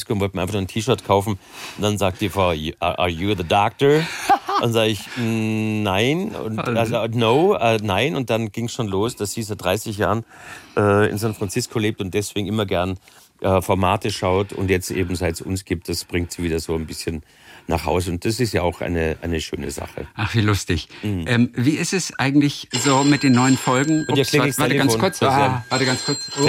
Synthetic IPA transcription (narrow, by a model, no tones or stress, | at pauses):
skonvɔltmʔaɪfaχnːʊɐntʰiːʃœɐtkʰaʊfn̩ʊntd̥anzaːk̚td̥iːfɔʔa̰juðədɔk̚tə̥˞anzaːɡɪçː | aɪnʊ̰ntaznoʊʔɛːnaɪnʊnt̚d̥anɡ̥ɪŋsʃoːnloːsd̥asz̥iːzaɪt̚d̥ʁaɪsɪçja̰ːʁənʔɛːɪ̰nzãntfʁ̥ant͡sɪskʰoleːp̚tʊnt̚d̥ɛsv̥eːɡŋ̩ɪmɐɡɛɐn | ʔɛːfɔɐmaːtəʃaʊtʊ̰ntjɛt͡stʔḛːbm̩zaɪtsʊ̰nsɡ̥iːp̚t̚d̥asb̥ʁɪŋktz̥iviːdɐzoːanbɪsçən | na̰χha̰ʊzəʊnt̚d̥as̬ɪstjaːaʊxʔa̰ɪnəʔa̰ɪnəʃø̰ːnə̰za̰χə̰ʔaχv̥iːlʊstɪçm̩h̩ʔɛːmviːɪstɛsʔaɪɡŋ̩tlɪçzoːmɪt̚d̥eːnːɔʏənfɔlɡŋ̩ɪɐkleːsvatəɡanfoːnkʊɐt͡savaɐtəɡant͡skʰʊɐt͡s